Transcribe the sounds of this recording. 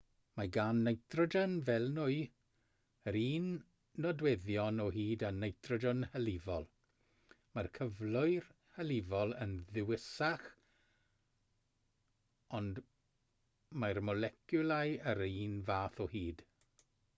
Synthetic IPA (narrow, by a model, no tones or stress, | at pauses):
maɡanːejθrɔdənvɛlˠnʊɨ | əɾiːnː | ɔdwɛðjɔnɔɦiːdanejθrɔdənhəlɪvɔlˠ | markʰəvlˠʊɨr | həlɪvɔlˠə̰nðɪwɪsaχ | ɔnd | marmɔlɛkʰjʊlˠajəɾiːnvaːθɔhiːd̥